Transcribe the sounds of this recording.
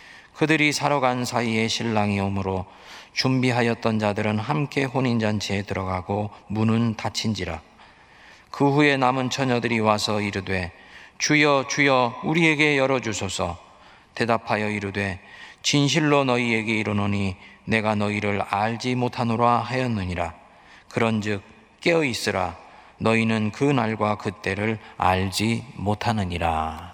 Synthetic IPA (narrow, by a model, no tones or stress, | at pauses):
kɯdɯɾisʰaɾʌɡansʰaie̞ɕʰiɭːaŋiomɯɾo | t͡ɕumbiɦajʌt̚t͈ʌnd͡ʑadɯɾɯnɦamk͈e̞ɸoɲind͡ʑant͡ɕʰeːtɯɾʌɡaɡomunɯntat͡ɕʰind͡ʑiɾa̰ | kɯɦue̞namɯnt͡ɕʰʌɲʌdɯɾiwasʰʌiɾɯdwe̞ | t͡ɕujʌt͡ɕujʌuɾie̞ɡe̞jʌɾʌd͡ʑusʰosʰʌ | te̞dapʰajʌiɾɯdwe̞t͡ɕinɕ̬ʰiɭːonʌie̞ɡe̞iɾʌnoɲine̞ɡanʌiɾɯɾaɭd͡ʑimotʰanoɾaɦajʌnːɯɲiɾa | kɯɾʌnd͡ʑɯk̚ | k͈e̞ʌis͈ɯɾa | nʌinɯnkɯnaɭɡwakɯt͈e̞ɾɯɭa̰ɭd͡ʑimotʰanɯɲiɾa